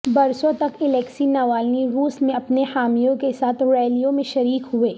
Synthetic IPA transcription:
bɐɾsõt̪ɐkɪlɛːksinɐʋaːlniɾuːsmẽɐpnehaːmijõkesaːt̪ʰɾɛːlijõmẽʃɐɾiːkɦʊeː

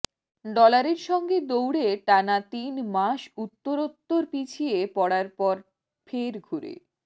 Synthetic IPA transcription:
ɖɔlaɾeɾʃɔŋɡed̪owɽeʈanat̪inmaʃut̪ːoɾot̪ːoɾpit͡ɕʰiepɔɽaɾpɔɾ | fʰeɾɡʱuɾḛ

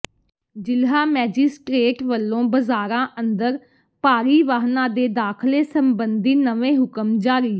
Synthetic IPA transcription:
d͡ʒɪlɦaːmɛːd͡ʒɪsʈɾeːʈʋəlːõːbəzaːɾãːʔənd̪əɾ | paːɾiːʋaːɦnãːd̪eːd̪aːkʰleːsəmbənd̪iːnəʋẽːɦʊkəmd͡ʒaːɾiː

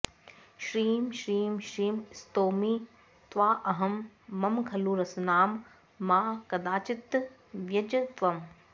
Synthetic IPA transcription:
ʃɾiːmʃɾiːmʃɾiːmɪst̪oːmiː | t̪ʋaːʔɐɦɐmːɐmkʰɐluːɾɐsnaːmː | ãːkɐd̪aːt͡ʃɪt̪ | ʋjɐd͡ʑɐt̪ʋɐm

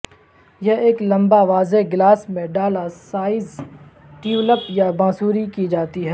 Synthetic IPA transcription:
jɛɦeːklɐ̃mbaʋaːzeɡlaːsmẽɖaːlasaːɪz | ʈiːuləpjabãːsuːɾikid͡ʒaːt̪iɦɛː

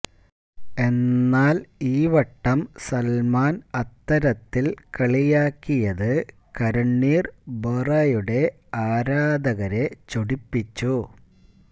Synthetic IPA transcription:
e̞nːaːliːʋɐʈːɐmsɐlmaːnɐt̪ːɐɾɐt̪ːilkɐɭijaːkːijɐðɨ | kɐɾɐɳːiːrbɐrɐjuɽe̞ | aːɾaːd̪ɐɣɐɾe̞t͡ɕoɽipːit͡ɕːu

